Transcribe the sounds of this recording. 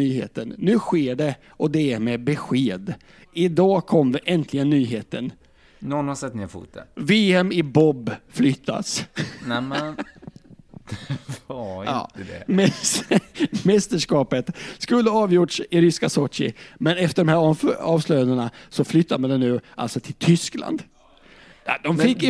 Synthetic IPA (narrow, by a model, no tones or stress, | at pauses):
yːɦḛːt̪ənːʉ̟ːɧeːɖɛ | ʔɔd̪ɛæɾmɛbɛɧeːd̪ | ɪd̪ɑːkʰɔmːvɛʔɛnt̪ʰlɪɡənːyːɦeːt̪ə̰n | nɔnhasɛt̪ːnɪɾfṵːt̪ə̰veːɛmɪbɔbːflʏt̪ʰːa̰snɛmɛn | a̰ːəd̪ɛ̰mɛ | mɛst̪əʂkɑːpət̪skɵlːəɑːvjʊʈʂɪɾʏskasɔtɪ̰mɛnɛft̪əɖɔmhæːɾɑːvslœjanənasɔflʏt̪ʰːamand̪ɛnʉ̟ːʔa̰lt̪sɔt̪ʰɪlt̪ʰʏskla̰nd̪ | ad̪ɔmfɪkː